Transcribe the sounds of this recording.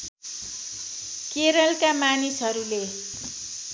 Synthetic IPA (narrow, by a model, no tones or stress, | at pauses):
keɾʌlkamanisɦʌɾule